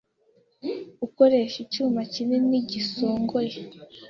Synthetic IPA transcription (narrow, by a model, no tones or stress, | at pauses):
uko̞ɾe̞ʃit͡ʃuːmacineniɟisoːŋɡoɾe